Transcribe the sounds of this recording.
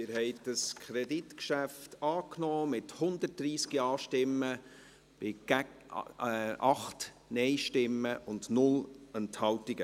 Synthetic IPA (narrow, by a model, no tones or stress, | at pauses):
ɪɾhɛɪd̥ɑskʰχɾɛditkʃæftɑːknɔːmɪthʊnd̪ət̚d̥ɾiːskiɑːʃtɪmːə | b̥ɪɡ̥æ | ɑχt | nɛɪʃtɪməʔʊndnʊlənthɑwtɪɡə